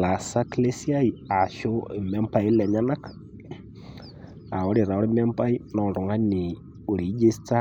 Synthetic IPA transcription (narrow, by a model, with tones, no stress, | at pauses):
la˨sa˦kle˦si˦a˦i˨a˨ʃo˦e˨mɛ˦mpa˨i˦lɛ˨ɲa˦na˦k | a˨wo˦ɾe˨ɾa˨o˦ɾɛ˦m˦ɛ˦mpa˦i˦nɔ˨ndo˨ŋa˦ni˨ | o˨ɾi˨˦d͡ʒe˦sta˦